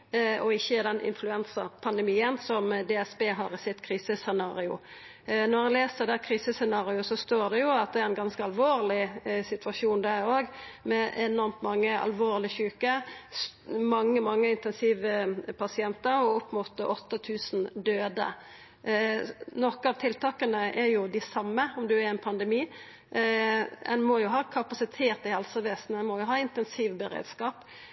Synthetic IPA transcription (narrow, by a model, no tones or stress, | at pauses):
ɔɪçːəɪd̪ɛnʔɪ̰nflʉɛnsəɾpʰɑnd̪ɛmiːənsɔmd̪ɛɛsbeːɦɑ̰ːɾɪsɪt̪kʰɾiːsəsɛnɑːɾɪʊ̰ | nɔɾɑnleːsəd̪ɛkʰɾiːsəsɛnɑːʁɪʊsɔst̪oːʁd̪ɛjʊɑt̪̚d̪ɛæɾɛnɡɑnskəɑlʋoːʁlɪsɪt̪ʰʋɑʃuːnd̪æɾoːɡmɛɛnɔɾmt̪mɑŋːəɑ̰lʋoːʁlɪçʉːkəsmɑŋːəmɑŋːəɪnt̪ɛnsiːʋəpʰɑsɪɛnt̪əɾɔɔpmɔt̪ːəʔɔt̪ːət̪ʰʉːsn̩d̪øːd̪ə̰ | nɔkːəɑʋt̪ʰɪlt̪ʰɑːkənəʔɛɾjʊd̪ɪsɑmːəɔmd̪ʉæɾɛnpʰɑnd̪ɛmiː | ɛnmɔjʊɦɑːkʰɑpɑsɪt̪ʰeːt̪ɪhɛlsəʋeːsn̩ɛnmɔjʊɦɑːɪnt̪ɛnsiːʋbɛɾḛːd̪skɑːp